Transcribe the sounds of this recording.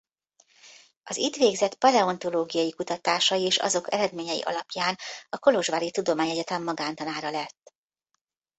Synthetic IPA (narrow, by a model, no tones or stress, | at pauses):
ɒzit̪ʋeːɡzɛt̪pɒlɛo̞nt̪o̞loːɡijɒjikut̪ɒt̪aːʃɒjieːʃɒ̰zo̞kɛ̰ɾɛd̪meːɲɛjḭʔɒ̰lɒpjaːnɒko̞loʒʋaːɾit̪ud̪o̞maːɲɛɟɛt̪ɛmːɒɡaːnt̪ɒnaːɾɒlɛt̪ː